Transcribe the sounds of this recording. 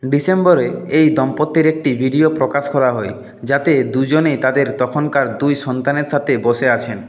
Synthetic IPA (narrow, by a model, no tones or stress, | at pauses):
ɖisembɔɾeejd̪ɔmpot̪ːeɾek̚ʈibʱiɖiopɾokaʃkɔɾaɦɔe | d͡ʑat̪ed̪ud͡ʑonejt̪ad̪eɾt̪ɔkʰonkaɾd̪ujʃɔnt̪aneɾsʰat̪eboʃeat͡ɕʰen